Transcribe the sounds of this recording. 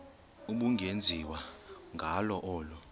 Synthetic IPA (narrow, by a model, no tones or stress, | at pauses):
uɓuŋɡʱend͡zʱiwaŋɡʱalɔʔɔːlɔ